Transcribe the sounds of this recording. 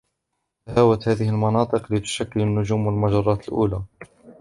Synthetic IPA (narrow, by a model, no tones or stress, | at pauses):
haːwat̪hæːðɪhɪlmɑnɑːt̪ˤɨqlɪt̪ʊ̥ʃakːɪlnːʊʒuːmwalmaʒɑɾˤːɑːt̪əlʔṵːlaː